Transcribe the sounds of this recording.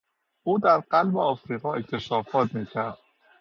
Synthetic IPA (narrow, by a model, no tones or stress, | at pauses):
ʔuːd̪æɾɢælbeɒːfɾiːɣɒːec̪t̪ʰe̞ʃɒːfɒːt̪miːcʰæɾd̪̥